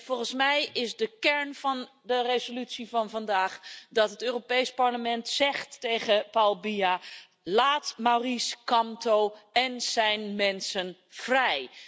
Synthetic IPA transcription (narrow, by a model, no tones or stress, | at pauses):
v̥ɔlˠχənsmɛjɪzdəkɛɹnvɑn | dərezolytsivɑnvɑndaːχdɑtɦətøːropejspɑɹləmɛntsɛχtːejχəpawlˠbia | laːtmawriskɑmtowɛnz̥ɛjnmɛnsən | v̥rɛj